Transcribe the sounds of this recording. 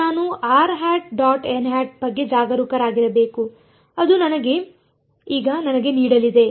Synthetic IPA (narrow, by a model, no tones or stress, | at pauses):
aːnuaːɾɦaːʈ̚ɖaːʈenɦaːʈ̚bɐɡːe̞d͡ʒaːɡɐɾuːkɐɾaːɡiɾɐbe̞ːku | ɐd̪unɐnɐɡe̞ | iːɡɐnɐnɐɡe̞niːɽɐlid̪e̞